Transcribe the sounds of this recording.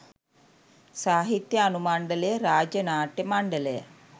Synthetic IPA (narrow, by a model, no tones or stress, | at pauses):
saːɦit̪jɐːnumaːɳɖɐlejɐɾaːd͡ʒjɐnaːʈjɐmaɳɖɐlejɐ̰